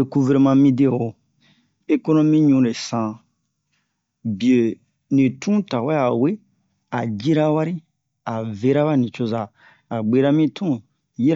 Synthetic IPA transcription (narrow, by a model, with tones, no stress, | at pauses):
e˨ku˦ve˨ɾe˨mã˧mĩ˦de˦˨wo˨ | e˦ko˦nõ˦mĩ˦ɲũ˨˦ɾe˨sã˨ | bi˨e˨ | nĩ˨tʰũ˦ta˨wɛ˦a˨we˦ | a˨d͡ʒi˦ɾa˦wa˦ɾi˦ | a˨ve˦ɾa˦βa˦˨nĩ˨t͡ʃo˦zaː˨ | ɡ͡be˨˦ɾa˦mĩ˦tʰũ˦ | ji˦˨